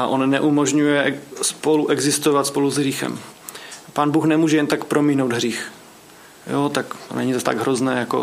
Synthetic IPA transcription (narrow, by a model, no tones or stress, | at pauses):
ʔaʔonːɛʔumoʒɲujɛspoluʔɛɡzɪst̪ovat̪spo̞luzɦriːxɛ̰m | paːnbuːxnɛmuːʒɛjɛnt̪akpɾʔo̞miːnowd̪ɦriːx | jot̪akt̪onɛɲizast̪a̰ɡɦɾoznɛːjako̰